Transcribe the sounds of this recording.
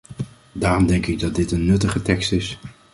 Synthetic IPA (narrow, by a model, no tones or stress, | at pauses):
daːɾɔmdɛŋkɪɡ̚dɑt̚dɪtənːɵtəχətɛkstɪs